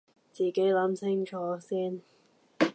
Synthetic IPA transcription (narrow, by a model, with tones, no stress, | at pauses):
t͡siː˨˩ke˨˥jlɐ˨˥mt͡sʰɪ˥ŋt͡ʃʰɔː˨˥siː˥n